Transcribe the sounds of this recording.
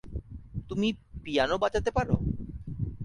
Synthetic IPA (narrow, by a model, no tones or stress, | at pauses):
t̪umipijanobat͡ɕat̪epaɾo̰